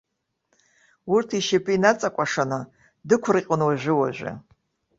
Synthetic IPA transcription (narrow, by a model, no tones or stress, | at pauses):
urtʰiʃepʰʼɨinat͡sʼakʷʼaʂanɨ | dɨkʷʰrɨqʲʼʊnwaʒʷᶣɪwa̰ʒᶣʷa̰